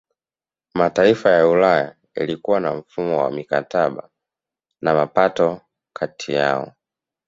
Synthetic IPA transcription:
mataifajaulaja | ja̰likuwanam̩fumɔwa̰mikataɓa | namapatɔ | kʰatʰija̰ɔ̰

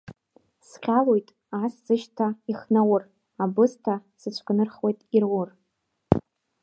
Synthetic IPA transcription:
sqʲalojtʼ | aszɨʃtʰaiχnawʊr | abɨstʰasɨt͡ʃʷʰkʼɨnɨrχwo̞jtʼirwʊr

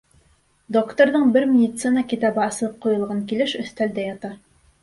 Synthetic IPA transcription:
d̪okt̪oɾðɤɴbɘɾmʲɪdʲit̪sɨnəkʲit̪ɑbɤɑslˠɤp̚qujɤ̆lˠʁɑŋkilɘʃɵ̆θt̪æld̪æjɑt̪ɑ

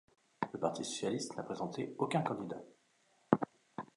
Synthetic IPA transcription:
ləpaʁt̪ʰisɔ̥sjalist̪napχezɑ̃t̪eokʲɛ̃kɑ̃d̪id̪a

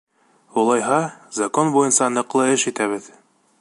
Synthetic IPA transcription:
ulˠɑjɦɑzakonbujɤnsɑnɤ̆qlˠɤɘʃit̪æβɘð

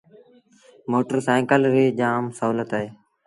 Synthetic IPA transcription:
moːʈəɾsaːkəlɾiːd͡ʒaːmsəɦuːlət̪ɦeː

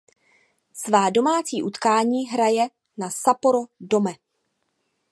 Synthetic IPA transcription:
svaːdo̞maːt͡siːʔut̪kaːɲiːɦɾajɛ | nasapoɾodomɛ

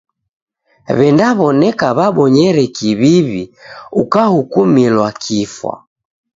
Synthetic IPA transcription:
βɛndaβɔnɛkaβaɓɔɲɛɾɛkiβiβiukahukumilwakʰifwa̰

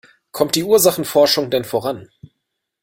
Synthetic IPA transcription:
kʰɔmt̚d̥iːʔuːɐzaχn̩fɔɐʃʊŋdɛnfoʁan

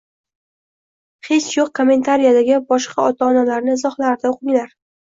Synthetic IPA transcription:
χe̞t͡ʃjoq̚kʰome̞nt̪ʰaɾijad̪aɡʲɪbɒʃqʰɑɒt̪ʰaːnalaɾnɪɪzɒχlaɾɪd̪aoqɪŋlaɾ

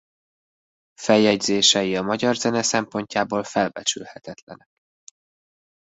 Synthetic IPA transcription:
fɛjɛɟzeːʃɛjiɒmɒɟɒrzɛnɛsɛmpo̞ɲcaːboːlfɛlbɛt͡ʃylhɛt̪ɛt̪lɛnɛk̚

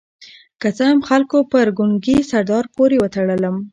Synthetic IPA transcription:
kat͡səɦamxalkopəɾɡuŋɡisaɾd̪ɑɾpoɾewət̪aɽələm

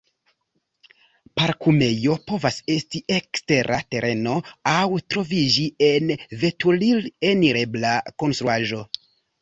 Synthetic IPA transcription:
paɾkume̞jo̞po̞vase̞stiʔekste̞ɾʔate̞ɾʔe̞no̞awtɾo̞vid͡ʒienve̞tulileniɾe̞blako̞nstɾuaʒo̞

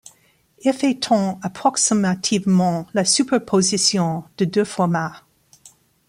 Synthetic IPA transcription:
efɛt̪ʰɔ̃apχɔksimat̪ʰivmɑ̃lasypɛʁpʰozisjɔ̃d̪̥əd̪øfɔʁma

